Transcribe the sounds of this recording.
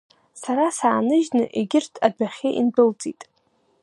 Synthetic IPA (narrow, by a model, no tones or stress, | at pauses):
saɾasaːnɨʒnɨʔeɡʲɪrtʰadaχʲeʔinbɨlt͡sʼitʼ